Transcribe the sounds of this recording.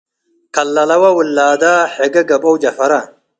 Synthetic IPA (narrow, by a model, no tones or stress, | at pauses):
kɐlːɐlɐwɐwulːaːd̪aːħeɡɐɡɐbowd͡ʒɐfɐɾa